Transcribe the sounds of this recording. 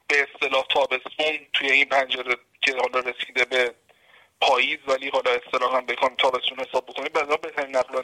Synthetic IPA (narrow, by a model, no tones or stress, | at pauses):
b̥e̞ːst̪e̞lɒːht̪ʰɒːbe̞st̪unt̪ʰuje̞inpʰænd͡ʒeɾe | cʰe̞hɒlɒːɾesiːd̪ebe̞ | pʰɒːjiːzvæliːɦɒlɒe̞st̪e̞lɒːhæmbexɒjmt̪ʰɒːbe̞st̪uːnhe̞sɒːb̚ːokʰo̞niːbæd̪ɾɒbet̪ʰæviːnːæɣlɒ